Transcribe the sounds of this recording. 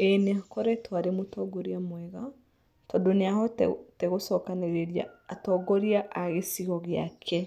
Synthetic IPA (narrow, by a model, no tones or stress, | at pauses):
ɛneakɔɾɛtʰwaɾemotɔɡoɾiamwɛɣa | tɔdoneaɦɔteɣosɔkaneɾeɾia̰ːtɔɡɔɾiaʔaɣesiɣɔɣea̰kʰɛ